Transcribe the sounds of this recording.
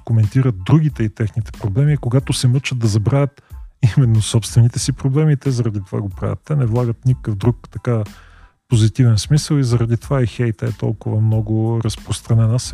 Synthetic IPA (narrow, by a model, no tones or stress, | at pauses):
komɛnt̪iɾət̪̚d̪ɾuɡ̟it̪ɛit̪ɛxnit̪ɛ̥pɾoblɛmikoɡat̪osɛmɤt͡ʃət̪̚d̪ɐzɐbɾavʲət̪imɛnːosɔpst̪vɛnit̪ɛsipɾoblɛmiːt̪ɛzɐɾɐd̪it̪ova̰ɡopɾa̰və̰t̪ːɛnɛvlˠaɡət̪nikkəvd̪ɾukt̪ɐka | pozit̪ivɛnsmisəlˠizɐɾɐd̪it̪ovaɛxɛjt̪əɛt̪ɔ̰lˠkʊvəmnɔɡʊɾɐspɾost̪ɾɐnɛnəs